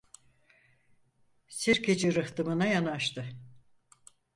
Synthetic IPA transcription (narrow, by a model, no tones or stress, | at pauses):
siɾkʰed͡ʒiɾɯht̪ɯmɯnajanaʃt̪ʰɯ